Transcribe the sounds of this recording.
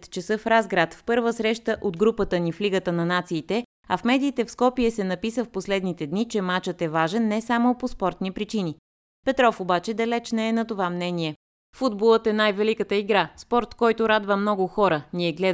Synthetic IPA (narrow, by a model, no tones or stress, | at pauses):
t̪t͡ʃɛsəfɾazɡɾat̪fpɤɾvəsɾɛʃt̪əʔod̪ɡɾupət̪ənifliɡət̪ənɐnat̪siːt̪ɛ | ɐfmɛd̪iːt̪ɛfskɔpiɛsɛnɐpisəfposlɛd̪nit̪ɛd̪nit͡ʃɛmat͡ʃət̪ɛvaʒɛnːɛsamopospɔɾt̪nipɾit͡ʃini | pɛt̪ɾɔfobat͡ʃɛd̪ɐlɛt͡ʃnɛɛnɐt̪ovamnɛniɛ | fud̪bolˠət̪ɛnajvɛlikət̪əiɡɾaspɔɾt̪kɔjt̪ʊɾad̪vəmnɔɡʊxɔɾəniɛɡlɛ